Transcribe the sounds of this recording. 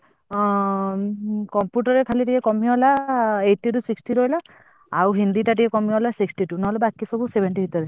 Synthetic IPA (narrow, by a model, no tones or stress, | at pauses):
kɔmpjuʈɔɹɛkʰalitiɛkɔmijɔɔlaejʈːitusiksʈiɾɔjla | auɦind̪itatikɛkɔmiɔɦɔlasiksʈitunɔɦɔlɔbakisɔbusebʱɛnʈibitaɹɛ